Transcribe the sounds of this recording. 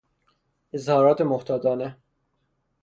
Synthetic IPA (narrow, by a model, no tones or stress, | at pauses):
ezhɒːɾɒːt̪ʰemoht̪ʰɒːd̪ɒːne